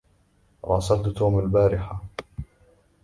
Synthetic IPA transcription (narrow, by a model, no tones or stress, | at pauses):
ɾˤɑ̰ːsad̪t̪uːmalbaːɾɪħa